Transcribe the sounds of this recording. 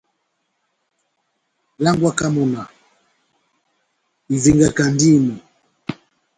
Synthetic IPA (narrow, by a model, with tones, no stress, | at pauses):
la˦ŋɡwa˦ka˦mɔ˨na˨ | i˨vi˨ŋɡa˨ka˨ndi˦˨nu˨